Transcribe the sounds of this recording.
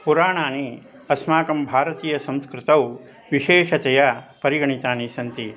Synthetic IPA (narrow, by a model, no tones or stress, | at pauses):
puɾaːɳaːni | ɐsmaːkɐmbʱaːɾɐt̪iːjɐsɐ̃mskɾɪt̪ɐw | ʋiʃeːʂɐt̪ɛjɐpɐɾiɡɐɳit̪aːnisɐnt̪i